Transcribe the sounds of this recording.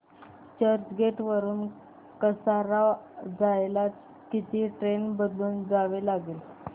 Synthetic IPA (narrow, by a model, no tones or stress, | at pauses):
t͡ɕəɾt͡ɕɡeʈʋəɾuːn | kəsaɾad͡zajlat͡s | kit̪ʰiːʈɾenbəd̪luːnd͡zaʋelaɡeːl